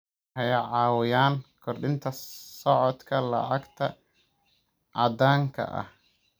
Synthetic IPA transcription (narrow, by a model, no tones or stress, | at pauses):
hɛjɐʕɑːwɪjaːnkʰɔrɖɪnt̪ʰɐsɔʕɔd̪kʰɐlɐ̰ʕɑɡt̪ʰɐ | ʔɑd̪aːŋkʰɐ̰ʔɐ̰h